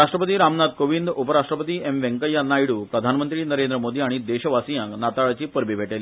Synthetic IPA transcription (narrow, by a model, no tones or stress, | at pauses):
aʂʈɾəpət̪iːɾamnad̪̚koʋind̪upəɾaʂʈɾəpət̪iːemʋẽŋkəjanːajiɽuːpɾəd̪ʱanmənt̪ɾiːnəɾend̪ɾəmod̪iːaɽ̃id̪eɕəʋasijãŋknat̪aɭat͡ɕiːpəɾbibʱeʈelːi